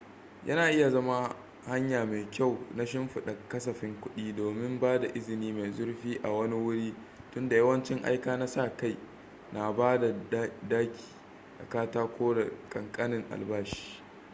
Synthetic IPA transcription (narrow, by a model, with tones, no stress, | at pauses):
jʔɐ̰˦naː˨ʔɪ˦ja˨zɐ˦ma˦ | ha˦ɲjaː˨ma˨kʲa˦˨wna˦ʃ̬ɪ˦mɸʊ˨ɗa˨kɐ˦s̬ɐ˨ɸɪ˦ŋkʷʊ˦ɗiː˦doː˨mɪ˦mbaː˦da˨ʔɪ˦zɪ˨niː˦ma˨jzʊ˦rɸiː˦ʔa˨wɐ˦ni˦wʊ˦ɽiː˦ | tʊ˦nda˨jɐ˦wɐ˦nt͡ʃɪ˦ŋʔa̰˦jkaː˦na˦sa˦˨ka˦˨j | na˨baː˦da˨˦daː˦kʲi̥ː˨ | da̰˨kaː˦taː˦kʷʰoː˦ɽḛ˨kʼɐ˨ŋkʼa˦nɪ˨ŋʔa̰˨lbaː˦ʃi̥ː˦